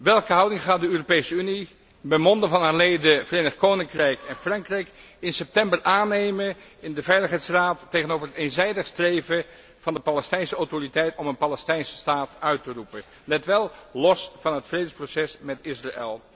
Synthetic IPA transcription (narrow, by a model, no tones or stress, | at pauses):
ʋɛlˠkəɦɑwdɪŋχaːt̚dəøːropejsəyni | bəmɔndəvɑnɦaːɹlejdəvərenəχkownɪŋkrɛjkɛnfrɑŋkrɛjk | ɪnsɛp̚tɛmbərʔaːnejmənɪndəvɛjləχɦɛjtsraːtːeχənowvəɹɦətenzɛjdəχstrejvə | v̥ɑndəpɑlɛstɛjnsəawtoritɛjtɔmənpalɛstɛjnsə̥staːtœɥtərupə | nɛtʋɛlˠlɔsvɑnɦətfrejdənsprosɛsmɛtɪsraḛlˠ